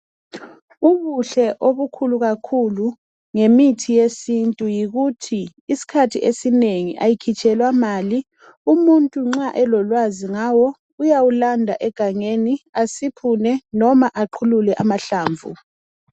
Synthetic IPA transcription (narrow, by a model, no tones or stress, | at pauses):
uβuɬɛʔoβukʰuluɣakʰulu | ŋemitʰijesintʼujiɣutʰiː | si̥kʰatʰiʔesineŋḭʔajikʰit͡ʃʼɛlwamaːli | umuntʼuŋ͡ǁaʔɛlɔlwaziŋawɔ | ujawulandʱaʔɛɡ̥ʱaŋeniasipʰunɛnɔmaʔaǃʰululɛʔamaɬaːɱvṵ